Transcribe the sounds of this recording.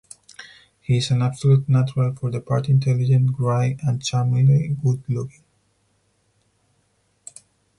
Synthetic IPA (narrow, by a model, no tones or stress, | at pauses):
hiɪzæ̃næb̥səlutnat͡ʃəɹəlfɔɹðəpʰaɹtɪ̃ntʰɛlɪd͡ʒə̃ntɡɹaɪə̃nt͡ʃamiliɡudlʊkɪ̃ŋ